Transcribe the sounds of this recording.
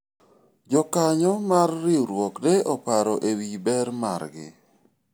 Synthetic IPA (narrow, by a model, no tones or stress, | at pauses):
d͡ʒɔkaɲɔmarːɪɾwɔkdeɔpaɾɔʔewibɛɾma̰rɡɪ̰